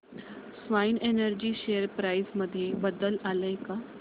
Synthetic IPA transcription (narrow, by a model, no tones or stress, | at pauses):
sʋainenəɾd͡ʑiːɕejəɾpɾaisməd̪ʱːjebəd̪əlaləka